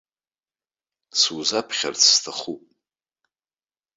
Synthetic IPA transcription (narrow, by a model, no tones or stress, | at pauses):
suzapʰχʲa̰rt͡sʰstʰaχupʼ